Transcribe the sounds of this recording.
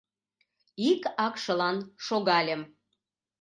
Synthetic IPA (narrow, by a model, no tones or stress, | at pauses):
ikɑkʃəlɑnʃoɣɑlʲəm